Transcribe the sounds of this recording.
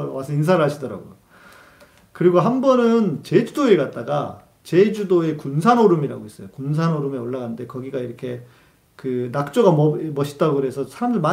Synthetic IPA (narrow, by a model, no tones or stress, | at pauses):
wasʰʌins̬ʰaɾɯɭɦaɕʰidʌɾa̰ɡo̰jo | kɯɾiɡoɦanbʌnɯnt͡ɕe̞d͡ʑudoe̞ɡat̚t͈aɡa | t͡ɕe̞d͡ʑudoe̞kunsʰanoɾɯmiɾaɡois͈ʌjokuns̬ʰanoɾɯmeoɭːaɡanɯnde̞kʌɡiɡaiɾʌkʰe̞ | kɯnak̚t͡ɕ͈oɡamʌmʌɕʰi̥t̚t͈aɡoɯɾe̞sʰʌsʰaɾamdɯɭma